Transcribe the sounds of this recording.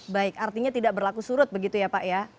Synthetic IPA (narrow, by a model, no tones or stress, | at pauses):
baɪkart̪iɲat̪idaʔbərlakusuɾʊt̪̚bəɡit̪ujapaʔja